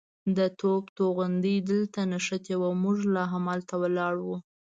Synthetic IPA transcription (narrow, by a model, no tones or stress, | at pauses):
d̪ət̪ʰobt̪oɣand̪əjd̪əlt̪anaʂət̪ewawmʊʒlɑɦamɑlt̪awəlɑɽwu